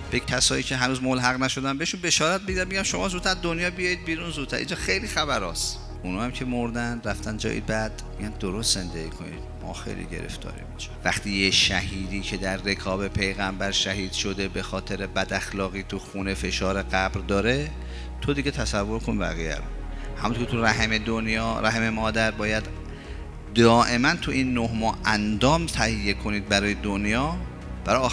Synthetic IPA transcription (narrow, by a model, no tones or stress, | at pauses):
b̥ecʰːæsɒːjiːcʰe̞ɦænuːzmolɦæɣnæʃo̞d̪ænbeeʃunbe̞ʃɒːɾæt̪̚beɟiɾænmeɟæmʃo̞mɒːzuːt̪ʰːæɾd̪onjɒːbijɒid̪̚biːɾunzud̪t̪ʰæɾʔḭːnd͡ʒɒxejlixæbæɾɒːs | ʔunɒːhæmcʰe̞mo̞ɾd̪ænd̪ɾæft̪ænd͡ʒɒ̰ːjḭbæd̪̥meiɡænd̪oɾost̪ze̞nd̪eɡiːkʰo̞nḭd̪̥mɒ̰ːxḛjlḭɟe̞̰ɾḛft̪ʰɒ̰ːɾḭmiʃe̥væxt̪ʰiːjeʃæhiːd̪iːkʰe̞d̪æɾːe̞kʰɒːbe̞pʰe̞jɣæmbæɾʃæhiːd̪̥ʃod̪ebe̞xɒːt̪ʰe̞ɾebæd̪æxlɒːɣiːt̪ʰuxune̞fe̞ʃɒːɾe̞ɡæbɾd̪ɒːɾe̞ | t̪ʰod̪iɡet̪ʰæsævːoɾkʰonbæ̰ɣijæ̰ɾohæmumnokʰʲet̪ʰuɾæɦemed̪onjɒːɾæɦememɒːd̪æɾbɒːjæd̪ | d̪ɒːʔe̞mænt̪ʰuʔinːoɦmɒːʔænd̪ɒːmt̪ʰæhijːe̞kʰo̞niːd̪̚bæɾɒːjed̪onjɒː | b̥æɾɒ